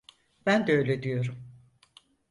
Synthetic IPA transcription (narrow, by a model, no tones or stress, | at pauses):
b̥ænd̪ɛø̞jlʲed̪ijo̞ɾum